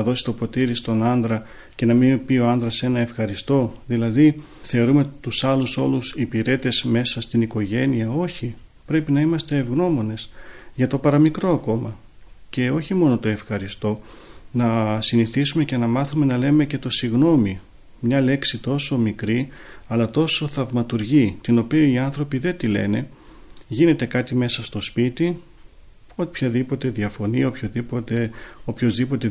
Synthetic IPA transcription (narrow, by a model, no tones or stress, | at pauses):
ɐðo̞si̥t̪o̞po̞t̪iɾist̪o̞nɐnd̪ɾɐ | ce̞nɐminpio̞ɐnd̪ɾɐse̞nɐe̞fxɐɾist̪o̞ðilɐði | θe̞oɾume̞t̪usɐluso̞lusipiɾe̞t̪e̞zme̞sɐst̪iniko̞ʝe̞niɐo̞çi | pɾe̞pinɐimɐst̪e̞ːvɣno̞mo̞ne̞sʝɐt̪o̞pɐɾɐmikɾo̞ɐko̞mɐ | ce̞o̞çimo̞no̞t̪o̞e̞fxɐɾist̪o̞ | nɐsiniθisume̞ce̞nɐmɐθume̞nɐle̞me̞ce̞t̪o̞siɣno̞mi | mɲɐle̞ksit̪o̞so̞mikɾiɐlɐt̪o̞so̞θɐvmɐt̪uɾʝit̪ino̞piɐiɐnθɾo̞piðe̞t̪ile̞̰ne̞ | ʝine̞t̪e̞kɐt̪ime̞sɐst̪o̞spit̪i | o̞t̪ipçɐðipo̞t̪e̞ðɐfo̞nio̞pçoðipot̪eo̞pçozðipo̞t̪e̞